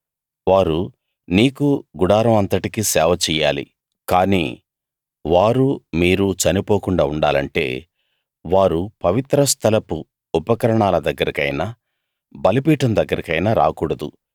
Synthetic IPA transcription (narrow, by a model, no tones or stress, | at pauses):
ʋaːɾu | niːkuɡuɽaːɾɐmɐnt̪ɐʈikisɛːʋɐt͡ʃɛjːaːlḭ | kaːnḭː | ʋaːɾumiːɾut͡ʃɐnipoːkuɳɖaːuɳɖa̰ːlɐɳʈe̞̰ː | ʋaːɾupɐʋit̪ɾɐst̪ʰɐlɐpu | upɐkɐɾɐɳaːlɐd̪ɐɡːɐɾikɐ̰jna | bɐlipiːʈɐmd̪ɐɡːɐɾikɐjnaːɾa̰ːkuːɽɐd̪u